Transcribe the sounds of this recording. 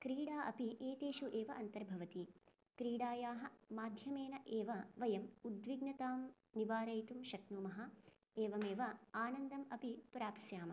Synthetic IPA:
kɾiːɽaːʔɐpiʔeːt̪eːʃuʔeːʋɐʔɐnt̪ɐɾbʱɐʋɐt̪i | kɾiːɽaːjaːɦɐ̆maːd̪ʱjɐmeːnɐʔeːʋɐʋɐjɐmud̪ʋiɡnɐt̪aːm | niʋaːɾɐjt̪umʃɐknumɐɦɐ | eːʋɐmeːʋɐaːnɐnd̪ɐmɐpipɾaːpsjaːmɐ

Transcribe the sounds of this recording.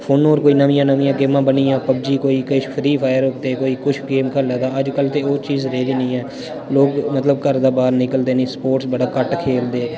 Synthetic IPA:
pʰoːnoːɾkoːiːnəmĩjãːnəʋĩjãːɡɪmãːbəniːjãːpəbd͡ʒiːkoːiːkəit͡ʃpʰəɾiːpʰaːjəɾʊkd̪eːkoːiːkʊt͡ʃʰɡeːmkʰəlːaːd̪aːəd͡ʒkəlt̪eːoːt͡ʃiːzɾeːɾiːnəĩːɛː | loːɡmət̪ləbkəɾd̪aːbaːɾnɪkəld̪eːnĩːspoːʈsbəɽaːkəʈkʰeːld̪eː

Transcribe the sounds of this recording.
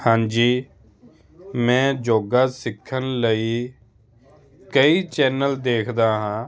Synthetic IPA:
hãːnd͡ʒiː | mɛ̃ːd͡ʒoːɡaːsɪkʰːənləiː | kəiːt͡ʃɛːnəld̪eːkʰd̪aːɦãː

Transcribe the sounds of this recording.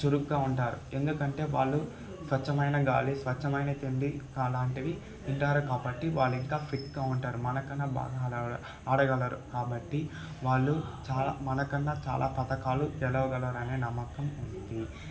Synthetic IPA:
t͡ʃuɾukɡaːuɳʈaːɾue̞nd̪ukɐɳʈe̞ːʋa̰ːɭːu | sʋɐt͡ʃːɐmɐjnɐɡaːlisʋɐt͡ʃːɐmɐjnɐt̪eɳd̪ikaːlaːɳʈiʋi | uɳʈaːɾukaːbɐʈːiʋaːɭːiŋkaːpʰiʈɡaːuɳʈaːɾumɐnɐkɐnːɐba̰ːɡaɐ | aːɽɐɡɐlɐɾukaːbɐʈːi | ʋaːɭːut͡ʃaːla̰mɐnɐkɐnːɐt͡ʃa̰ːlʔa̰ːpɐt̪ɐkaːlud͡ʒɛlɐʋɐɡɐlaːɾɐne̞ːnɐmːɐkɐmund̪i

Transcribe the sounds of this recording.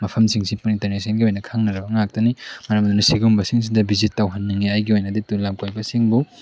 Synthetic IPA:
mɐpʰɐmsiŋsipunintɐɾnesenɡiojnɐkʰaŋnɐɾɐbɐŋak̚tɐnimɐɾɐmd̪unɐsiɡumbɐsiŋs̬idɐbizitːawɦɐnːɐŋiajɡiojnɐditulamkojbɐsiŋbu

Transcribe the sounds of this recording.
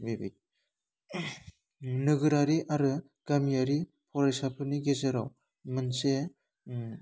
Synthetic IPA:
bebḛt̚ | nɯɡɯɾaɾiʔaɾɯ | ɡ̥amijaɾi | pʰɔɾajsapʰɯniɡezɯɾaw | mɯnse

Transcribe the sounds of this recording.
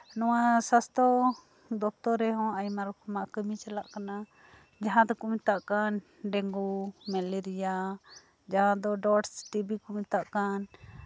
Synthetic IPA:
nɔwasast̪ɔ | d̪ɔp̚t̪ɔɾɛɦɔ̃ajmaɾɔkʰɔmaʔkəmit͡ʃalaʔkana | d͡ʒaɦãd̪ɔkumit̪aʔkan | ɖɛŋɡumɛlɛɾija | d͡ʒaɦãd̪ɔɖɔʈsʈibikumit̪aʔkan

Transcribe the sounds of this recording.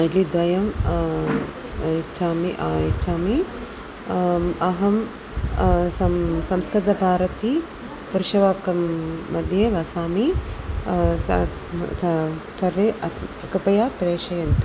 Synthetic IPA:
ɐlid̪ʋɐjɐm | t͡ʃaːmiit͡ʃaːmi | ɐɦɐm | sɐsɐmskɾɪd̪ɐbʱaːɾɐt̪i | puɾʃɐʋaːkɐmːɐd̪ʱjeʋɐsaːmi | sɐɾʋeʔɐkɐpɐjaːpɾeːʃɐjɐnt̪u

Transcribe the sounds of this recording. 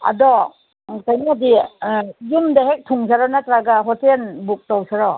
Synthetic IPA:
a̰dɔ | ŋkajniadi | jumdaɦek̚tʰuŋs̬aɾɔnatɾaɡaɦɔtenbuk̚tawsaɾɔ

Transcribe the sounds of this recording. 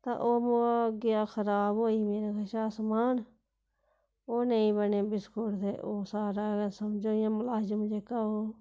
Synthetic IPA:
t̪a̰ːʔoːmoaɡɪjaːxʰəɾaːbɦoːiːmeːɾaːkəʃaːsəmaːn | oːneĩːbəneːbɪskoɽt̪eːʔoːsaːɾaːɡəsəmd͡ʒoːjãːmʊlaːd͡ʒəmʊd͡ʒeːkaoː

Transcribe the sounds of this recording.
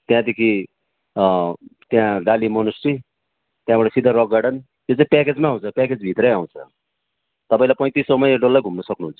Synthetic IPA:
t̪jãd̪ekʰi | t̪jãɖalimʌnusri | t̪jãbʌʈʌsid̪ʱaɾʌɡːaɽʌn | j̪ot͡saĩpɛked͡zmaɦũt͡sʰʌpɛked͡zbʱit̪rʌjaw̃t͡sʰʌ | t̪ʌpaĩlajpʌj̃t̪isʌmʌjekɖolːaɡʱumnʌsʌknuɦunt͡sʰʌ̥

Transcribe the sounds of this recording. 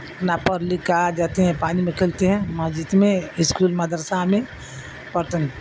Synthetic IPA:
pnapəɾlɪkad͡ʒaːt̪eɦɛ̃paːnimẽkʰelt̪eɦɛ̃mad͡ʒit̪mẽɪskuːlmɐd̪əɾsamẽ | pəɾt̪ən

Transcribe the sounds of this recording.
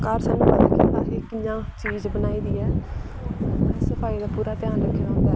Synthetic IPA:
kaːɾsaːnːũːbad̪kḭːt̪aːɦekɪjãːt͡ʃiːzbənaːiːd̪iːɛː | səpʰaːiːd̪aːpuːɾaːt̪ɪjaːnɾəkʰːeaɦõːnd̪aː

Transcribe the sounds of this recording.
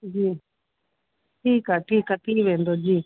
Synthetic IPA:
d͡ʒiː | ʈʰiːkɦaːʈʰiːkaːʈʰiːkʋẽːnd̪oːd͡ʒiː

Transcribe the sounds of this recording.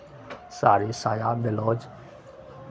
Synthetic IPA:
saːɾisaːjaːd̪elɔːd͡ʒ

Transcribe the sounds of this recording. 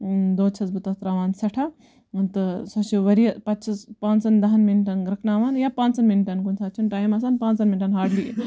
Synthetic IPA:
d̪oːt͡ʃʰɐsbɨt̪ɐt̪ɾaːʋaːnsɐʈʰa | nt̪ɨsɐt͡ʃuʋɐɾijɐpɐtt͡ʃʰɐspaːnsɐnd̪ɐɦɐnminʈɐnɾɐkʰnaːʋaːnjapãːnsɐnminʈɐnkunsʰaːt͡ʃʰunʈaːjmɐs̬aːnpãːnsɐnminʈɐnɦaːɖli

